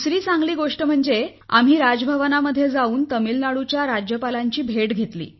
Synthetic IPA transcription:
sɾiːt͡sãŋɡliːɡoʂʈəm̤əɳd͡ze | a̰m̤iːɾad͡zbʱəʋənaməd̪ʱːjed͡zauːnt̪əmilnaɽut͡ɕjaɾad͡ʑjəpalaɲt͡ɕiːbʱeʈɡʱet̪lḭː

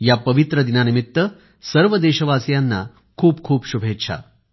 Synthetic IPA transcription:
japəʋit̪ɾəd̪inanimit̪ːʋə | səɾʋəd̪eɕəʋasjanːa̰ | kʰuːp̚kʰuːpɕubʱett͡ɕʰa̰

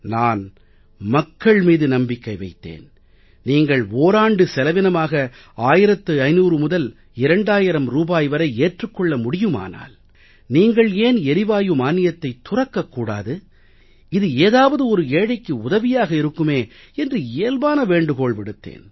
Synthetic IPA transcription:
naːn | mɐkːɐɭmiːðɯnɐmbɪkːɐɪʋɐɪt̪ːḛːn | niːŋɡɐɭoːɾaːɳɖɯsɛlɐʋɪnɐmaːɣɐ | aːjɪɾɐt̪ːɯɐɪnuːɾɯmʊðɐl | ɪɾɐɳɖaːjɪɾɐmɾuːbaːjʋɐɾɐɪeːʈrɯkːɔɭːɐmʊɽɪjɯma̰ːna̰ːl | niːŋɡɐɭeːnɛɾɪʋaːjɯmaːnɪjɐt̪ːɐɪt̪ːʊrɐkːɐkːuːɽa̰ːðɯ | ɪðɯeːðaːʋɐðɯɔɾɯeːɽɐɪkːɯʊðɐʋɪjaːɣɐɪɾɯkːɯmeːɛndrɯeːlbaːnɐʋeːɳɖɯkoːɭʋɪɽɯt̪ːḛːn

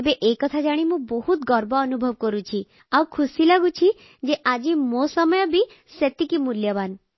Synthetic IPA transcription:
ebeʔekɔt̪ʰad͡ʒaɽ̃imũbɔɦut̪ɡɔɾbɔːnubʱɔʋkɔɾũt͡ʃʰi | awkʰusilaɡũt͡ʃʰi | d͡ʒeʔad͡ʒimosɔmɔjɔbʱi | set̪ikimuljɔban

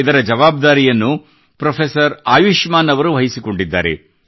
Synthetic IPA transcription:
id̪ɐɾɐd͡ʒɐʋaːb̚d̪aːɾijɐnːu | pɾɐpʰesɐɾaːjuʃmaːnɐʋɐɾuʋɐɦisiko̞ɳɖid̪ːa̰ːɾḛ

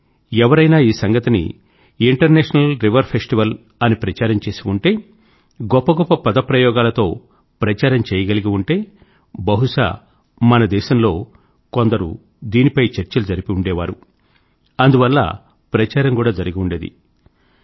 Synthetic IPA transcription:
ɛʋɐɾɐjnaːiːsɐŋɡɐt̪inḭ | iɳʈɐɾnɛːʂɐnɐlɾiʋɐɾpʰesʈiʋɐl | ɐnipɾɐt͡ʃaːɾɐmt͡ʃe̞ːsiuɳʈe̞ː | ɡɔpːɐɡɔpːɐpɐd̪ɐpɾɐjɔːɡaːlɐt̪o̞ː | pɾɐt͡ʃaːɾɐmt͡ʃɛːjɐɡɐliɡiuɳʈe̞ː | bɐɦuʂa̰ | mɐnɐd̪ɛːʃɐmlo̞ː | ko̞nd̪ɐɾṵ | d̪iːnipɐjt͡ʃɐɾt͡ʃɐlud͡ʒɐɾipiuɳɖɛːʋa̰ːɾu | ɐnd̪uʋɐlːɐ̰ | pɾɐt͡ʃaːɾɐmkuːɽaːd͡ʒɐɾiɡiuɳɖeːd̪ḭ

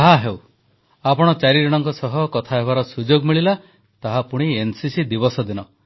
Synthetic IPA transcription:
ɦaɦew | apɔɽ̃ɔt͡ʃaɾiɾiɽ̃ɔŋkɔsɔɦɔkɔt̪ʰaɦeβaɾɔsud͡ʒoɡmiɭila | t̪aɦapuɽ̃iensisid̪ibɔsɔd̪inɔ

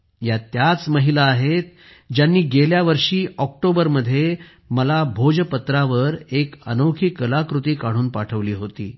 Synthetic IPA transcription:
jat̪jat͡sməɦilaːɦet̪̚ | d͡ʑjanːiːɡeljaʋəɾʂiːɔk̚ʈobəɾməd̪ʱːje | məlabʱod͡ʑəpət̪ɾaʋəɾekə̰nokʰikːəlakɾut̪iːkaɽ̃uːnpaʈʰəʋliːɦot̪ḭː

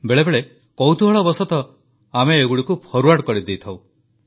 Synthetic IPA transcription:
beɭebeɭe | kɔwt̪uɦɔɭɔbɔsɔt̪ɔ | ameːɡuɽikupʰɔɾuaʈkɔɾid̪ejt̪ʰaw̃

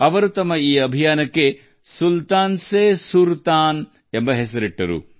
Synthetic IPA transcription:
ɐʋɐɾut̪ɐmːɐiːɐbʱijaːnɐkːe | sult̪aːnsesuɾt̪aːn | embɐɦes̬ɐɾiʈːɐɾṵ

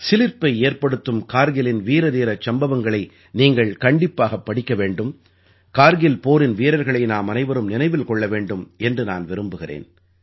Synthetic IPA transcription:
sɪlɪɾpɐɪeːɾpɐɽɯt̪ːɯmkaːɾɣɪlɪnʋiːɾɐðiːɾɐt͡ʃɐmbɐʋɐŋɡɐɭɐɪ | niːŋɡɐɭkɐɳɖɪpːaːɣɐpːɐɽɪkːɐʋeːɳɖɯm | kaːɾɣɪlpoːɾɪnʋiːɾɐɾɣɐɭɐɪnaːmɐnɐɪʋɐɾɯmnɪnɐɪʋɪlkɔɭːɐʋeːɳɖɯmɛndrɯna̰ːnʋɪɾɯmbɯɣɪrḛːn

